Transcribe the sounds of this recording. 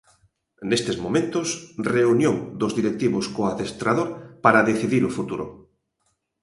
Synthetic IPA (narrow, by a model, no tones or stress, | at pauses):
nest̪ezmomẽnt̪osreunjoŋd̪ozðiɾek̚t̪iβoskoaðest̪ɾaðoɾpaɾaðeθiðiɾofut̪uɾo̰